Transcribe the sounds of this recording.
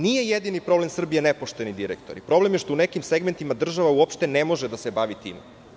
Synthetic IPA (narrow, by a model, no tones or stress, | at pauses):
nije̞jed̪inipɾo̞ble̞msr̩bije̞nepoʃt̪enid̪iɾḛkt̪o̞̰ɾipɾo̞ble̞mjeʃt̪o̞unekimseɡment̪imad̪r̩ʒaʋauopʃt̪enemo̞ʒed̪asebaʋit̪ḭːm